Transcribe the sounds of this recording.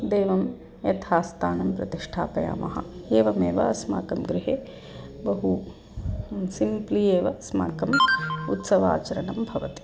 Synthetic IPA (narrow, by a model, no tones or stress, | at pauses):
d̪eːʋɐm | jɐt̪ʰaːst̪ʰaːnɐmpɾɐ̰t̪iʂʈʰa̰ːpɐja̰ːmɐɦɐ̰eːʋɐmeːʋɐɐsma̰ːkɐmɡɾɪɦeː | bɐɦu | simplieːʋɐsma̰ːkɐmut̪sɐʋa̰ːt͡ʃɐɾɐnɐmbʱɐʋɐt̪i̥